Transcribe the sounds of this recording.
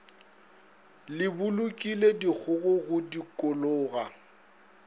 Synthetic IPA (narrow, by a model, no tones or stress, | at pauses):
lɪbʊlʊkʼiledik͡xʰʊɣʊɣʊdikʼʊlʊːɣa